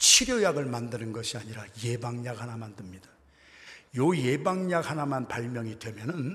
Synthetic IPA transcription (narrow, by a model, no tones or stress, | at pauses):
t͡ɕʰiɾjojaɡɯɭmandɯnɯnɡʌɕʰiaɲiɾaje̞baŋɲakɦanamandɯmɲidḁ | joje̞baŋɲak̚hanamanpaɭmjʌŋidwe̞mjʌnɯn